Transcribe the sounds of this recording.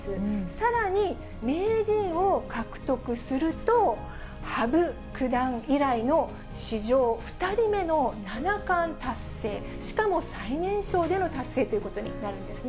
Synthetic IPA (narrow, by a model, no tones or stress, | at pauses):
sɨsaɾaɲ̟i | me̞ːʑĩɰ̃o̞kakɯ̟̥t̪o̞kɯ̟sɨɾɯ̟t̪o̞ | habɯ̟ | kɯ̟d̪ãŋiɾaino̞ | ɕiʑo̞ːɸɯ̟̥t̪aɾʲime̞no̞nanakãnt̪asːe̞ː | ɕi̥kamo̞sainẽ̞ɰ̃ɕo̞ːd̪e̞no̞t̪asːe̞ːt̪o̞jiɯ̟ko̞t̪oɲ̟ḭnaɾɯ̟̃nd̪e̞sɨn